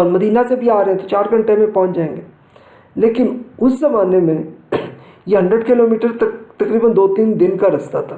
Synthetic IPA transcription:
məd̪iːnasebʱiaːɾɐɦɛ̃t̪ot͡ʃaːɾɡə̃ɳʈemẽpɔ̃ɦʊ̃t͡ʃd͡ʒaːẽːŋɡeː | leːkɪnʊszɐmaːnemẽ | jeɦə̃ɳɖɾəɖkɪloːmiːʈəɾt̪ɐkɾiːbənd̪oːt̪iːnd̪ɪnkaɾɐst̪at̪ʰaː

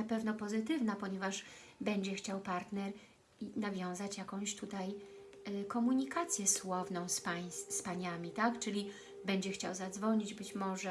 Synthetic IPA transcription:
napɛvnɔpɔzɘt̪ɘvnapɔɲɛvaʐbɛɲd͡ʑɛxt͡ɕawpaɾt̪nɛɾ | navʲjɔ̃w̃zat͡ɕjakɔ̃w̃ɕt̪ut̪aj | kɔmuɲikat̪sʲjɛswɔvnɔ̃w̃spajsspaɲamʲit̪akt͡ʂɘlʲi | bɛɲd͡ʑɛxt͡ɕawzad̪zvɔɲid͡ʑbɘt͡ɕmɔʐɛ

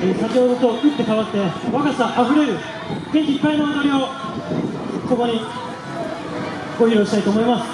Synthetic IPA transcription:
esakʲeɦod̪o̞t̪o̞ɯ̟t̪ːe̞kaβat̪ːe̞βakasaʔaɸɯ̟ɾe̞ɾɯ̟ | ɡẽ̞ɲ̟kʲiːpːainoanoɾʲio | so̞ko̞ɲ̟i | ɡ̥o̞çiɾo̞ːɕi̥t̪ait̪oːmo̞imasɨ̥

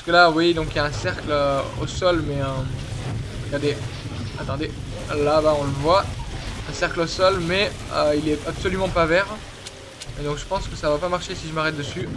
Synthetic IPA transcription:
paʁskəlawijed̪ɔ̃kjaɛ̃sɛʁkløo̰sɔlmɛø̃ | t̪ukad̪e | at̪ɑ̃d̪e | lavaɔ̃ləvwaɛ̃sɛʁklosɔlmɛøilɛapsɔlymɑ̃pavɛʁ | ed̪ɔ̃kʒəpɑ̃skəsavapamaʁʃesiʒəmaʁɛt̪̚d̪əsy

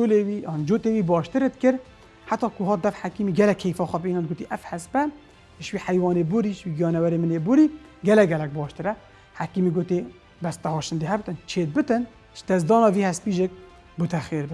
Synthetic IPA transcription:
ʃolewind͡ʒoːt̪ewiːbɑːʃt̪ɨɾet̪̚kɨɾ | ħat̪ɑːkʰʊɦɑːt̪̚d̪ɛfħakiːmiɡɛlɛkʰːejfɑːxʷæpiːnɑnd̪ɡoːt̪iʔɛfhɛspɛ | ʃwiːħæjwɑːnebʊɾiʃwiːɡjɑːnɛwɛɾeːmɨnebʊɾiː | ɡɛlɛɡɛlɛk̚bɑːʃt̪ɨɾɛ | hakiːmiɡoːt̪e | bɛst̪ɛhɑːʃɨnd̪eɦɛbt̪ɨnt͡ʃʰeːt̪̚bɨt̪ɨn | ʒd̪ɛzd̪ɑːnɑːviːhɛspiːʒek̚ | bʊt̪ʰɛxeɾbɨ

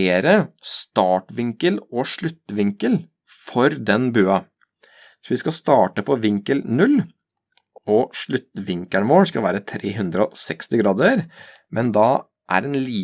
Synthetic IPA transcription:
eːɾəst̪ɑːʈʋɪŋkəlɔʂɭʉt̪ːʋɪŋkəl | fɔɾd̪ɛnbøːɑ | sɔʋɪskɑst̪ɑːʈəpʰɔʋɪŋkəlnʉl | ɔʂɭʉt̪ːʋɪŋkæɳəʋoːskɑlʋæːɾət̪ʰɾeːɦʉnd̪ɾəɔsɛkst̪ɪɡɾɑːd̪əɾ | mɛnd̪ɑ | ʔæ̰ɾɛnliː

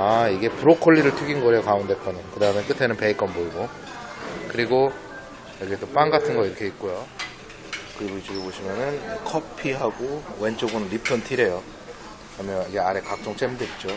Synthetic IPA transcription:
aiɡe̞puɾokʰoɭːiɾɯɭtʰuɡinɡʌɾejokaunde̞k͈ʌnɯkɯdaɯmek͈ɯtʰe̞nɯnpe̞ik͈ʌnboiɡo | kɯɾiɡo | jʌɡit͈op͈anɡatʰɯnɡʌiɾʌkʰe̞ik̚k͈ojo | kɯɾiɡoit͡ɕoɡeboɕʰimjʌnɯnkʰʌpʰiɦaɡowe̞nt͡ɕ͈oɡonɯnɾipʰjʌntʰiɾejo | ʌmjʌniɡeaɾe̞kak̚t͡ɕ͈oŋt͡ɕ͈emdet̚t͡ɕ͈o

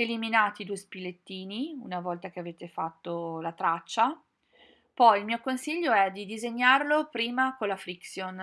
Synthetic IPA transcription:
eliminaːt̪id̪uespilet̪ːiːniṵnavɔlt̪ak̟eaveːt̪efat̪ːolat̪ɾat͡ʃːa | pɔjilmiːokonsiʎːoɛd̪id̪izeɲːarlopɾiːmakonlːafɾiksjon

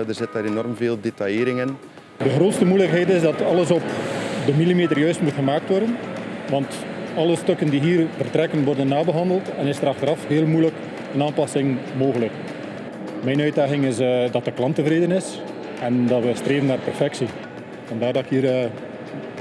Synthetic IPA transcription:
dərzɪtaːɾenɔrmveːlˠdetɑjɪːɾɪŋən | dəxroːtstəmujləkɦɛjtɪsdɑtɑləsɔpdəmilimeːtərjœɥstmutxəmaːk̚tʋɔrdənʋɑnt | ɑlˠəstɵkəndiɦiːrvərtrɛkənʋɔrdənːaːbəɦɑndəlˠtɛnɪsdəɾɑxtəɾɑfɦeːlˠmujlək | ənaːmpɑsɪŋmoːɣələk | mɛjnœɥd̚daːɣɪŋɪsdɑtəklˠɑntəvreːdənɪs | ɛndɑtʋəstreːvənːaːrpɛrfɛksi | v̥ɑndaːrdɑkɦiːrə

